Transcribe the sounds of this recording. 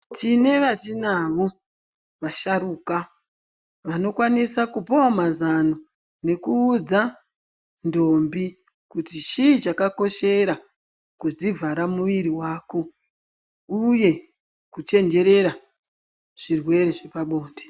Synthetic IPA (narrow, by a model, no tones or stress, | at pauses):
tine̞ʋatinaʋo̞ | ʋaʃaɾuka | ʋano̞kwanisakupowamazano | ne̞kuːd͡za | ndoːmbi | kutit͡ʃit͡ʃakako̞ʃe̞ɾa | kuzivʱaɾamuʋiɾiwaːko̞ | uje̞ | kut͡ʃe̞nd͡ʒe̞ɾe̞ɾa | ʐ̥irwe̞ɾe̞ʐe̞paɓo̞ːnde